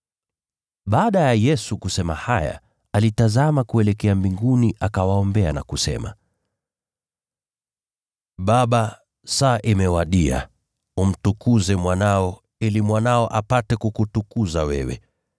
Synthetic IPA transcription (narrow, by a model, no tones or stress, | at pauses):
ɓaːɗajajɛsukusɛma̰haja̰ | alitazamakuɛlɛkɛambiŋɡuniʔakawaɔmbɛa̰na̰kusɛ̰ma̰ | ɓaɓa | saʔimɛwaɗia̰ | um̩tukuzɛmwanaɔ | ilimwanaɔʔapatɛkukutukuzawɛ̰wɛ̰